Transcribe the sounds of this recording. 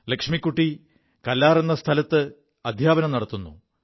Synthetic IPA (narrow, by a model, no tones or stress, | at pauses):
lɐkʂmikʲːuʈːi | kɐlːaːre̞nːɐst̪ʰɐlɐt̪ːɨ | ɐd̪ʱjaːbɐnɐmnɐɽɐt̪ːunːṵ